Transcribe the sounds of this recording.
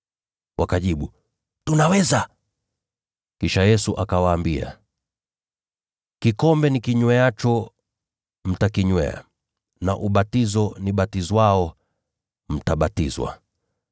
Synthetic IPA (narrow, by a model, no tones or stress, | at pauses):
wakaʄiɓu | tunawɛza | kiʃajɛsuʔakawaːmbia̰ | kikɔmbɛnikiɲwɛat͡ʃɔ | m̩takiɲwɛ̰a̰ | naʔuɓatizɔniɓatizwaɔ | m̩taɓatizwa̰